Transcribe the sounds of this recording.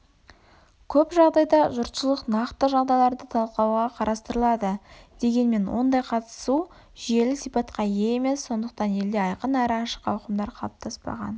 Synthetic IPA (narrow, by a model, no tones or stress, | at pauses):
kʲʰɵpʒɑʁd̪ɑjd̪ɑʒʊɾt̪ʃəlˠəqnɑqt̪əʒɑʁd̪ɑjlˠɑɾd̪ət̪ʰɑlˠqɑwʁɑqʰɑɾʔɑst̪əɾəlˠɑd̪əd̪̥e̞ɡʲe̞nme̞nwo̞̰nd̪ɑjqʰɑt̪ə̥su | ʒije̞lɪsijpɑt̪qɑjeeme̞sːo̞nd̪əq̚t̪ɑne̞ld̪eɑjqənæɾɪɑʃə̥qɑwqəmd̪ɑɾqʰɑ̰lˠp̚t̪ʰɑspɑ̰ʁɑ̰n